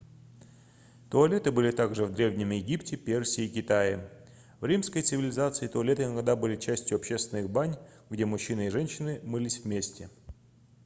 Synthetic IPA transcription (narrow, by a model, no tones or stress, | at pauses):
t̪ʊɐlʲet̪ɨbɨlʲɪt̪aɡʐɨvd̪ɾʲevnʲɪmjɪɡʲiptʲɪpʲersʲɪːkʲɪt̪ajɪ | vɾʲimskəjt̪sɨvʲɪlʲɪzat̪sɨɪt̪ʊɐlʲe̞t̪ɨɪnɐɡd̪abɨlʲɪt͡ɕæsʲtʲjʊɐpɕːe̞st̪ʲɪnɨxbanʲɡdʲemʊɕːinɨɪʐɛnʲɕːɪnɨmɨlʲisʲvmʲesʲtʲɪ